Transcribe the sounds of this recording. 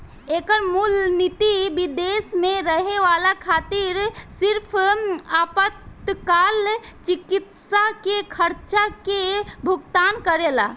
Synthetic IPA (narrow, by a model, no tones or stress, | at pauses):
ekəɾmulnit̪ibid̪esmẽɾəɦeʋalakʰaːt̪iɾsɪɾpʰaːpət̪kaːlt͡ʃikɪt̪sakekʰəɾt͡ʃakebʱʊɡt̪aːnkəɾela̰